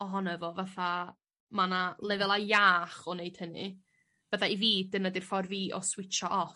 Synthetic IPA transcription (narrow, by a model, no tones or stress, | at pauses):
ɔɦɔnɛvɔvaθa | manalˠɛvɛlˠajaːχɔnejd̥hənɨ̰ | b̥əθaiviːdənadir̥fɔrviːʔɔ̰swɪt͡ʃʰɔʔɔ